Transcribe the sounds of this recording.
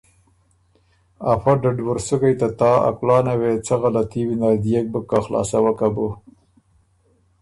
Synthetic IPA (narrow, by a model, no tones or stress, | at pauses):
afaɖaɖwʊɾsukajt̪at̪ɑːa̰klɑːnawet͡saɣalat̪iwinad̪ijek̚bəkːaxlɑ̰ːsawəkabu